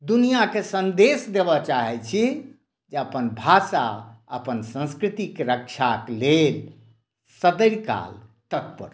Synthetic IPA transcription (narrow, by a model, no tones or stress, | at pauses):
d̪unijakesə̃nd̪esd̪ebɔt͡ʃaɦɛt͡ʃʰi | d͡ʒeəpənbʱasaə̰pənsə̃skɾit̪ikeɾək̚t͡ʃʰakelel | səd̪əɾka̰lt̪ək̚pə̰ɾ